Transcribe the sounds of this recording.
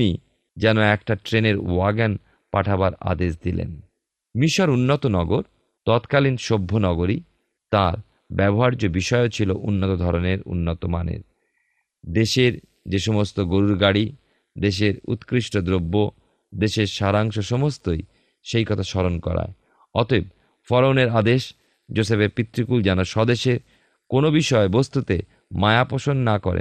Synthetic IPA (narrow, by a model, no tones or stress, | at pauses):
ni | d͡ʑɛnoɛkʈaʈɾeneɾwaɡan | paʈʰabaɾa̰d̪eʃd̪ilḛn | miʃoɾunːot̪onɔɡoɾ | t̪ɔt̪kalinʃobʱːonɔɡoɾi | t̪aɾ | bɛboɦaɾd͡ʑobiʃɔeot͡ɕʰiloʔunːot̪od̪ʱɔɾoneɾṵnːot̪omanḛɾ | d̪eʃeɾ | d͡ʑeʃɔmost̪oɡoɾuɾɡaɽi | d̪eʃ̬eɾṵt̪kɾiʃʈod̪ɾobːo | d̪eʃeɾʃaɾaŋʃoʃɔmost̪oj | ʃejkɔt̪ʰaʃɔɾonkɔ̰ɾa̰e | ɔt̪eb̚ | fɔɾowneɾad̪eʃ | d͡ʑosepeɾpit̪ːɾikuld͡ʑɛnoʃɔd̪eʃeɾ | konobiʃɔebost̪ut̪e | maeapoʃonːakɔɾḛ